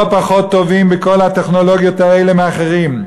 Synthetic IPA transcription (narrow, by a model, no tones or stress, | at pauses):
opaχot̪ːovimbekolhat̪eχnoloɡjot̪aelemeaχeʁim